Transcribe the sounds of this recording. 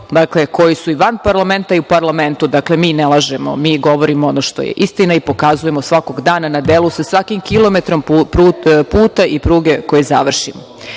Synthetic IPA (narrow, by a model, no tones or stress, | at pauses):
d̪akle̞ko̞jisuiʋanpaɾlˠame̞nt̪aiupaɾlˠame̞nt̪ud̪akle̞miːnelˠaʒemo̞̰miːɡo̞ʋo̞ɾimoonoʃt̪o̞̰jḛʔist̪inaipo̞kazujemosʋako̞ɡd̪aːnanad̪elˠusasʋakimkilˠo̞me̞t̪ɾo̞mpɾupuːt̪aʔipɾuːɡe̞ko̞jezaʋr̩ʃimo